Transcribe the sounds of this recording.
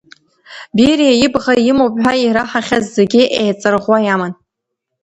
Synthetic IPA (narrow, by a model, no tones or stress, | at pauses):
birijajɪbʁajɪmowpʼħʷᶣaiɾaħaχʲazzeɡʲɪʔejt͡sʼɨrʁʷwajamɨn